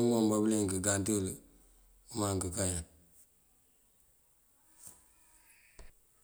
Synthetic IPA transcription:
ŋɡombableŋkəɡantəl | umaŋkəkaɲa

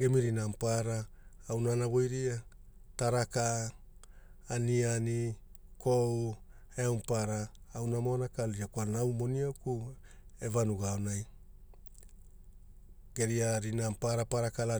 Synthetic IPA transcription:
ɡemiɾinampaɾaːwnanaβo̞jɾia | taɾaka | niani | kow | eawmpaɾaːwnamoanakaliakuanawmo̞niawku | e̞vanuɡaonaj | ɡ̥e̞ɾiaɾinampaɾapaɾakala

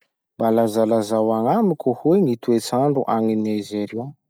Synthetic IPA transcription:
mbalazalazawaŋamikʲuhuweŋit̪uet͡saɳɖ͡ʐuʔaŋinezeɾio

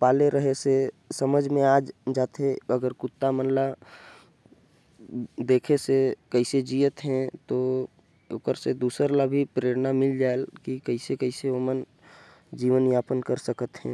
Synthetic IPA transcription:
paːleɾəɦese | səməd͡ʒʱmẽaːd͡ʒd͡ʒaːt̪ʰeəɡəɾkʊt̪ːamənla | d̪eːkʰesekəɪsed͡ʒiːət̪ɦɛ̃t̪o | ʊ̰kəɾsed̪uːsəɾlabʱipɾeːɾnamɪld͡ʒaːelkikəɪsekəɪseəmən | d͡ʒiːʋənjaːpənkəɾsəkət̪ɦɛ̰̃ː

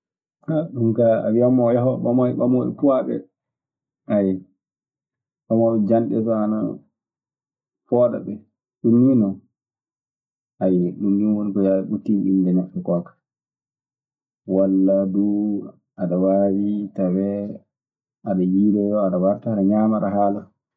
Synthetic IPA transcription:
haɗumkaa̰wiamɔjaɦɔɓamɔɓamoɛ̰kuwaɓɛ̰ | ajɛ | ʔɔmɔɗd͡ʒanɗɛ̰tɔana̰ | fɔːɗa̰ɓɛ | ɗumːinɔ | ʔajɛɗumjunwonikɔjaɗaɓutːinḭndɛnaɓːɛkɔkḁ | walːadu | aɗawawitawɛ | ʔaɗajidɛjɔaɗawaɾtaːɗaɲamaɗaɦaːla

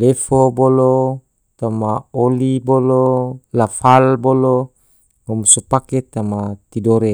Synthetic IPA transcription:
lefobolo | t̪amaolibololafalbolo | ŋɔmsupaket̪amat̪idoɾe

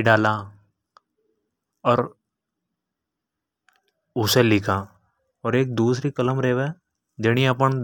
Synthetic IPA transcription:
ɖaːla | ɔːɾ | ʊselɪkʰa | ɔːɾeːk̚d̪uːsɾikələmɾeːʋɛ | d͡ʒeɽ̃iɐp̬ə

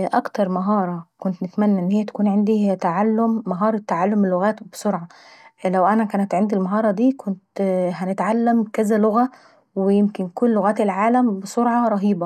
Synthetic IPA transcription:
ʔækt̪ɑɾˤmɑɦɑːɾˤɑkont̪nɪt̪mænːæʔenːhejːæt̪æ̥kuːnʕend̪it̪aʕalːomːɑɦɑːɾˤet̪ːaʕalːomːelːoɣæːt̪besoɾʕɑ | læwʔænækæːnæt̪ʕend̪ilmɑɦɑːɾˤɑd̪iːkʰont̪hænet̪ʕalːæmkæzæloɣæ | wejemkenkolːoɣæːt̪elʕaːlæmbesoɾʕɑɾˤɑɦiːbɑ

